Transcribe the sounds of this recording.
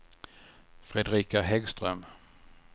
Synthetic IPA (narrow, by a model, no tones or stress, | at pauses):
fɾɛd̪ɾiːkaɦɛɡst̪ɾœm